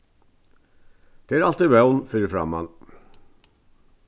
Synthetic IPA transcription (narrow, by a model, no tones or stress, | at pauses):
d̪̥eæːɾɑlt̪iʋæʊnfyːɾfɾɑ̰mɑ̰n